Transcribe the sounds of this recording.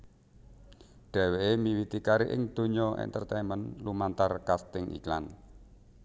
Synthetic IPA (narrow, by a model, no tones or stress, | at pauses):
ɖ̥ɛ̤weemiwit̪ikaɾiʔɪŋd̪̥o̤ɲɔʔɛ̰nt̪ərt̪ɛmənlumant̪arkast̪ɪŋʔḭklan